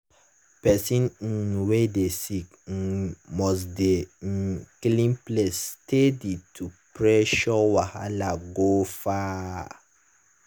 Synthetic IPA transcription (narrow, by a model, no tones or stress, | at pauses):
pɛsĩnĩwedesik̩ | mɔs̬dẽ | klĩmplestʰeditʰupɹeʃɔwahalaɡofa